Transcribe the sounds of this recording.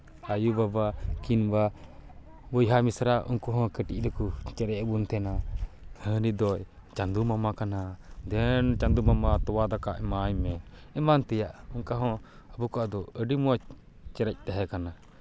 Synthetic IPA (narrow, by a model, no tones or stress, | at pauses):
ajubabakinba | bɔjɦamisɾaʔṵŋkuɦɔ̃kəʈḭʔ̚ˀɾəkut͡ʃɛɾɛʔbunt̪ʰɛnahənid̪ɔ | t͡ʃand̪umamakanad̪ɛnt͡ʃand̪umamat̪ɔwad̪akaʔɛmaɲmɛ | ɛmant̪ɛjaʔuŋkaɦɔ̃ | əbukɔʔad̪ɔəɖimɔ | t͡ʃɛɾɛc̚ˀt̪ɛɦɛkana